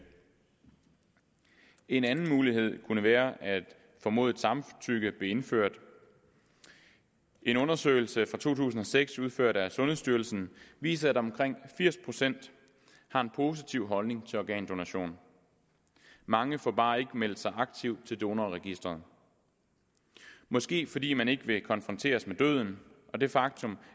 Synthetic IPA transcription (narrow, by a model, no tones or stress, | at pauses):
e̝nænn̩muːlihe̝ð̞̰ˠkʰunəʋæːɐʔæd̥ | fɒ̽mo̝̰ðˠed̥sɑ̈mt͡sʰyɡ̥əb̥leːe̝nfø̰ɐ̰d̥ | ʔe̝nɔ̽nɐsø̰ːɪlsəfʁɑ̈t͡sʰo̝̰ːt͡sʰṵːs̬n̩ɒ̽seɡ̥suð̞ˠføɐ̰ɾ̥æsɔ̽nɦhe̝sd̥yɐl̩sn̩ʋḭːsɐæd̥ɒ̽mkʰʁeŋ̰fiɐ̰spʰʁo̝sen̰d̥ | hɑ̈e̝npʰo̝ːs̬it͡sʰiʊ̰ɦɒ̽lne̝ŋt͡sʰe̝ɒɡ̥ɛ̰ːnd̥o̝næɕo̝̰ːn | mɑ̈ŋəfɒ̰b̥ɑ̈ːe̝ɡ̥əmel̰d̥sɑ̈ɪʔɑ̈ɡ̥̚t͡sʰiʊ̰dt͡sʰe̝ld̥o̝nɐʁɛɡ̥isd̥ʁɐðˠ | mɒ̽sɡ̥e̝̰ːfɒ̽d̥ḭːmæne̝ɡ̥əʋe̝kʰɒ̽nfʁɒ̽nt͡sʰe̝̰ːɐsmed̥øð̞ˠn̩ʔɒ̽d̥e̝fɑ̈ɡ̥̚t͡sʰɔ̽m